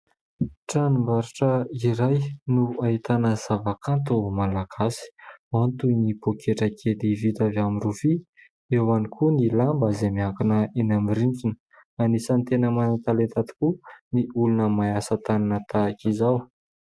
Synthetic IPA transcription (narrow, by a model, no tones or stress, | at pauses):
ʈ͡ʂanimbaɾiʈ͡ʂəiɾajnuaɦit̪anəz̥avakant̪umalaɡ̥asi̥mant̪unipokʰeʈ͡ʂəkʰed̪ivit̪avamiɾufi | ewanikʰunilambazemiakunəenamiɾint͡sinə | anisant̪enəmanat̪alent̪at̪i̥kuniʔulunəmajasət̪aninət̪akizaw